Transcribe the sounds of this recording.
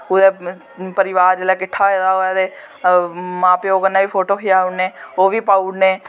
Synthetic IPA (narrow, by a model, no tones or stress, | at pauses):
kʊd̪ɛː | pəɾɪʋaːɾd͡ʒeːlɛːkɪʈʰːaːed̪aːɦoːɛːt̪eː | mãːpeoːkənːaːʋiːpʰoːʈoːkɪjaːʊneːoːʋiːpaːuɽneː